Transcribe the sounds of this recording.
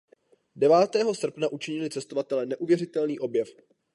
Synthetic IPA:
dɛvaːt̪ɛːɦo̞sr̩pnaʔut͡ʃɪɲɪlɪt͡sɛst̪ovat̪ɛlɛnɛʔuvjɛrɪt̪ɛlniːʔo̞bjɛf

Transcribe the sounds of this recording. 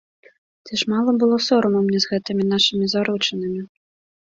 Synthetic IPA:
t͡sʲiʂmalˠɐbɨlˠɔsɔɾɐmɐwmʲnʲɛzɣɛt̪ɨmʲinaʂɨmʲizaɾut͡ʂɐnɨmʲi

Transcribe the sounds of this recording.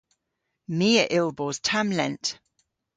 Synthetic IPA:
miːəʔɪlˠbɔːz̥tʰãmlɛ̃nt

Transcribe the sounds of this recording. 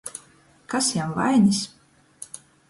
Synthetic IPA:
kasjawva̰jnʲis

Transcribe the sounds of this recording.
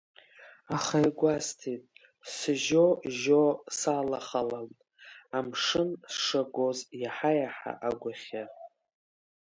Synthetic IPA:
aχajɡʷastʰitʼ | sɨʒoʒosalaχalamtʼ | amʂɨnsʂaɡozjaħajaħa̰ʔaɡʷʊχʲa

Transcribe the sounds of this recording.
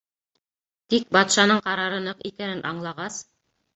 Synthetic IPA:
t̪ik̚bɑt̪ʃɑnɤɴqɑɾɑɾɤ̆nɤqikænɘnʔɑɴlˠɑʁɑs

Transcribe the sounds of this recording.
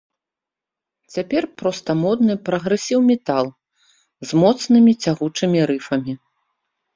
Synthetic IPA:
t͡sʲapʲɛrpɾɔst̪ɐmɔd̪nɨpɾɐɣɾɨsʲiwmʲɛt̪alˠ | zmɔt̪snɨmʲit͡sʲaɣut͡ʂɨmʲiɾɨfɐmʲi

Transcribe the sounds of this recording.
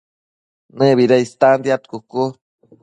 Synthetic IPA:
neβiɾaist̪and̪jat̪kuku

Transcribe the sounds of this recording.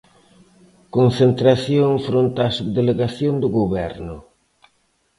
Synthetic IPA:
konθent̪ɾaθjoŋfɾont̪aːsud̪eleɣaθjoŋd̪ʊɣoβɛɾnʊ

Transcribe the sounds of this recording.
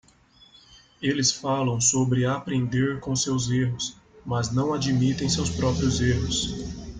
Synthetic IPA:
elɪsfalɐ̃w̃sobɾɪapɾẽnd̪eɾkõsewzeɦʊs | mɐznɐ̃w̃ad͡ʒimit̪ẽj̃sewspɾɔpɾiʊzeɦʊs

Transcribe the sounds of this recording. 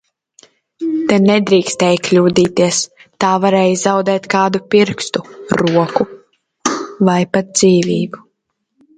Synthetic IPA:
t̪ɛnɛd̪ɾiːkst̪ɛːjklʲuːd̪iːt̪iɛst̪aːvaɾɛːjzawd̪ɛːt̪kaːd̪upiɾkst̪uɾuɔku | vajpat̪̚d̪ziːvʲiːbu

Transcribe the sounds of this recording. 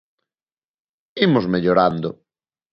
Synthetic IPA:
imʊzmeʎoɾand̪ʊ

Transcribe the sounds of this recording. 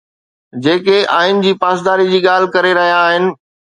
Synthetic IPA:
d͡ʑeːkeʔaːɪnɪ̆d͡ʑiːpaːs̬d̪aːɾid͡ʑiːɠaːl̤ɪkɐɾeɾɐɦijaːɦɪnɪ̆

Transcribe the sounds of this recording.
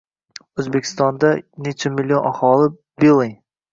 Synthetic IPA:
ɵzbekʲʰɪ̥st̪ɒnd̪anet͡ʃʰamɪlʲːionʔahɒlˠɪ | belˠɪŋ

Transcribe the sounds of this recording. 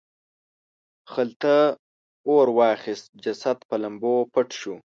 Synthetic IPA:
xəlt̪ə | oɾwɑːxist̪̚d͡ʒasad̪pəlambopəʈʃu

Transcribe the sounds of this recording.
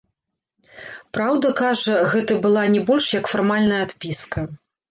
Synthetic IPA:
pɾawd̪ɐkaʐɐɣɛt̪ɐbɨlˠanʲɛbɔlʲʂjɐkfarmalʲnɐjɐat̪pʲiskɐ

